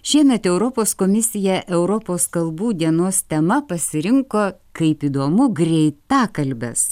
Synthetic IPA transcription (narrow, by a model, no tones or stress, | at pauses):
ʃʲɛɪnɐt̪ʲɛʊɾopoːskoːmʲɪsʲɪjɛʔɛʊɾopoːskɐlˠbuːd̪ʲiɛnoːst̪ʲɛmɐpɐsʲɪɾʲɪŋkoːkɐɪpiːd̪oːmʊɡɾʲɛɪt̪ɑːkɐlʲbʲɛ̰s